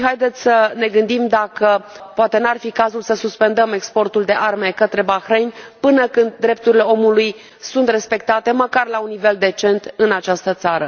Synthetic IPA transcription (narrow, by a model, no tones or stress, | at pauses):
ɦajd̪e̞t̪sʲsəne̞ɡɨnd̪imd̪akə | poat̪e̞nuarfikazulsəsuspe̞nd̪əme̞kspo̞rt̪uld̪e̞ʔarme̞kət̪ɾe̞baxɾejnʲpɨnəkɨnd̪̚ːɾe̞p̚t̪uɾile̞o̞muluj | sunt̪re̞spe̞k̚t̪at̪e̞məkarlaunːive̞ld̪e̞t͡ʃe̞nt̪ɨnat͡ʃast̪ət̪saɾə